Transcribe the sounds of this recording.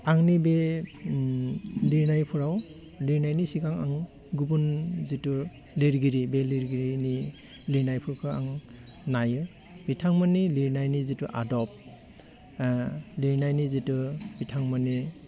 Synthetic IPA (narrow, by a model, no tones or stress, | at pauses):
aŋnibe | liɾnajpʰuɾaw | liɾnajnisikaŋa̰ŋ | ɡubunzitu | liɾɡiɾibeliɾɡiɾini | liɾnajpʰuɾkʰɯa̰ŋnajɯ | b̥itʰaŋmɔniliɾnajnizituʔa̰dɔp̚ | liɾnajnizitub̥itʰaŋmani